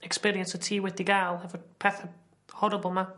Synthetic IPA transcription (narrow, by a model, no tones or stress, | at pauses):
ɛkspiːɹiə̃nsɔtʰiːwɪdiɡalˠɦəvəpʰɛθə | hɔɾəbəlˠma